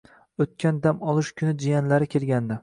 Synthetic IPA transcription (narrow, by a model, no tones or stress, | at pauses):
ɵt̪̚kʲand̪amɒlˠɪʃkʰʲʊnɪd͡ʒijanlaɾɪkʲʰe̞lɡʲand̪a